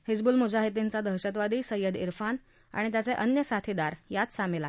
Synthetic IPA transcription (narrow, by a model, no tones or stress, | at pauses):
hid͡zbuːlmud͡ʑaɦit̪̬int͡sad̪əɦɕət̪ʋad̪iːsəjːəd̪ḭɾfan | a̰ɽ̃it̪jat͡seʔənjəsat̪ʰid̪aɾjat̪samela